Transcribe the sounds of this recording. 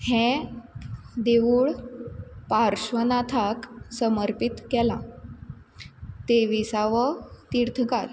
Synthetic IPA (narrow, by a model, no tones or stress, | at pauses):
hɛ̃ | d̪eʋuːɭ | paɾɕʋənat̪ʰaksəməɾpit̪kɛlã | t̪eʋisaʋət̪iɾt̪ʰkal